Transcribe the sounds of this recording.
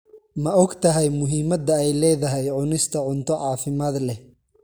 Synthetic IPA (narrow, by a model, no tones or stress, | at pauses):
mɐɔɡt̪ʰɐɦɛjmʊɦɪmɐd̪ɐɛjlɛːðɐɦɛjʕʊnɪst̪ʰɐʕʊnt̪ʰɔʕɑːfɪmaːd̪lɛ